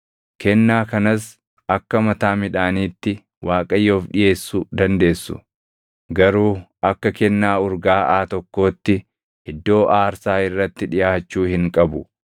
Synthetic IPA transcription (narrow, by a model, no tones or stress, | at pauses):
kʰɛnːaːkɐnɐs | ɐkːɐmɐt̪aːmɪᶑaːniːt̪ːɪ | wʔaːkʼɐjːo̞ːfᶑɪje̞ːsːʊd̪ɐnd̪e̞ːsːʊ̰ | ɡɐɾuːɐkːɐkɛnːaːʊɾɡaːʔaːt̪ɔkːo̞ːt̪ːɪ | hɪd̪ːo̞ːʔaːɾsaːɪrːɐt̪ːɪᶑɪjaːt͡ʃːuːhɪŋkʼɐbʊ